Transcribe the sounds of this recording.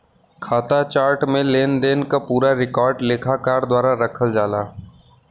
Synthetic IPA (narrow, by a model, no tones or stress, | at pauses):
kʰaːt̪at͡ʃaːɾʈmẽleːnd̪eːnkapuːɾaɾɪkɔːɾɖleːkʰakaːɾd̪waːɾaɾəkʰəld͡ʒaːlaː